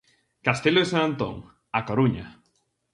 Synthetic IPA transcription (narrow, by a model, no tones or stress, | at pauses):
kast̪eloesanant̪õ̰ŋ | akoɾuɲa̰